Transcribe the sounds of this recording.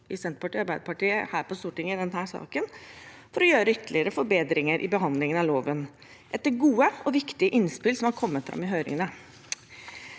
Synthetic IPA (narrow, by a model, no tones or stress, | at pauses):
ʔɪsɛnt̪pʰɑʈiːɑɾbæɪd̪əpʰɑʈiːəhæːɾpɔst̪uːʈɪŋɪd̪ɛnhæːʂɑ̰ːkən | fɔɾɔjøːɾəʏt̪ːəɭɪəɾəfɔɾbeːd̪ɾɪŋəɾʔɪ̰bəɦɑnd̪lɪŋənɑloːʋən | ʔɛt̪ːəɾɡuːəɔʋɪkt̪ɪəʔɪnspɪlsɔmhɑɾkʰɔmːət̪fɾɑ̰mːɪɦøːɾɪ̰ŋənə